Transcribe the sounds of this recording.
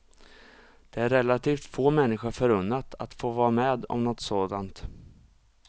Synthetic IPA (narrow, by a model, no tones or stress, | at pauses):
d̪̥ɛæɾːɛlːat̪ʰiːft̪foːmɛnːɪɧʊɾfœɾɵnːat̪ʰa̰t̪foːvɑːɾameːd̪ɔ̰mnɔt̪soːd̪ant̪